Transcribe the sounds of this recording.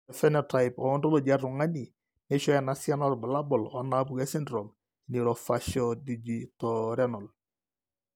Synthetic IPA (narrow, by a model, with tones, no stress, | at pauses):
ɛ˨fɛ˦nɛta˨jpɔ˨ɔ˦ndlɔ˨d͡ʒa˦ɾu˨ŋa˦ɲi˨ | nɛ˦ʃɔ˦ɛ˨na˨sia˦nɔ˦ɾbla˦bɔ˨lɔ˦na˨˦bu˨kɛ˦si˦ndɾɔ˨m | ni˨ɾɔ˨fa˨ʃɔ˦di˨d͡ʒi˨tɔɾɛ˦nɔ˨l